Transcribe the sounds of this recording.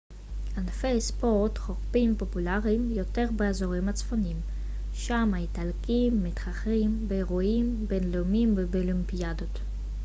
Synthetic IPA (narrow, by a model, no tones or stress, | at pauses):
anfejspoʁtχoʁpimpo̞pulaʁimjo̞te̞ʁbeazoʁimhat͡sfonim | ʃamaitalkimːitχaχʁimbeeʁoimbenlemimvebolimpiadot